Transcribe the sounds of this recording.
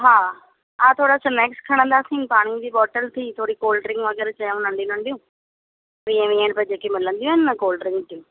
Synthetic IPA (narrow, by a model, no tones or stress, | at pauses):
ɦaː | ãːt̪ʰoːɽaːsəmɛːkskʰəɽ̃ə̃nd̪aːsĩːnpaːɽ̃ĩd̪iːbɔːʈəlt̪ʰiːt̪ʰoːɽiːkoːlɖəɾɪ̃ŋɡʋəɡɛːɾt͡ʃəjãnə̃ɳɖĩnə̃ɳɖijũː | ʋiẽʋiẽɳɖpəd͡ʒeːkemɪlə̃nd̪ijũɦɛnːəkoːlɖəɾɪ̃ŋɡt̪iũː